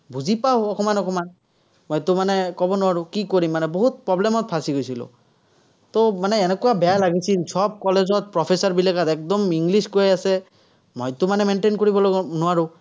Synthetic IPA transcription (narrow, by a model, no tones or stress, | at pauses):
buzipawɔkɔmanɔkɔman | mɔjt̪ʊmanɛkɔbɔnʊwaɹʊkikoɹimːanɛboɦut̪̚pɹɔblɛmɔt̪̚pʰasiɡojsilʊ̰ | t̪ɔmanɛːnɛkuwabɛjalaɡisilsʰɔp̚kɔlezɔt̪̚pɹɔpʰesaɹbilakat̪ɛk̚d̪ɔmiŋɡliskojasɛ | mojt̪ʊmanɛmenʈenkoɹibɔlnʊwaɹʊ